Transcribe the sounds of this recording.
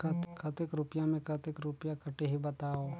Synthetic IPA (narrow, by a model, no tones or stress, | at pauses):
kɐt̪kʰɐt̪ɪkɾʊpjãmẽkɐt̪ɪkɾʊpjãkɐʈeɦibɐt̪aːo